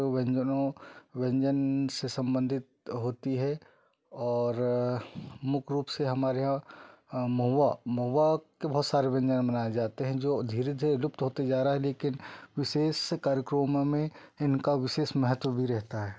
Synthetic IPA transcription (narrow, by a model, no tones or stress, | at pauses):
ʋɛ̃ɲd͡ʒənõʋɛ̃ɲd͡ʒənsesɐ̃mbə̃nd̪ʱɪt̪̚ɦoːt̪iɦɛ | ɔːɾ | mʊkʰɾuːpseɦɐmaːɾeɦã | mɐɦʋamɐɦːakebɔɦːt̪saːɾeʋɐ̃ɲd͡ʒənbɐnaːjed͡ʒaːt̪eɦɛ̃d͡ʒoːd̪ʱiːɾed̪ʱiɾelʊp̚t̪ɦoːt̪ed͡ʒaːɾaaɦɛleːkɪnʋɪʃeːskaːɾjəkɾəmmẽɪnkaʋɪʃeːsmɛɦət̪wəbʱiɾɛɦt̪aɦɛː